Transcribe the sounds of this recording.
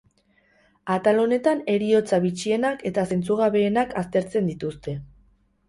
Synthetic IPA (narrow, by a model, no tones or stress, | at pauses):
at̪alo̞ne̞t̪ane̞ɾio̞t͡saβit͡ʃie̞nake̞t̪ase̞nt͡suɣ̞aβe̞ːnakast̪e̞ɾt͡se̞nd̪it̪ust̪e̞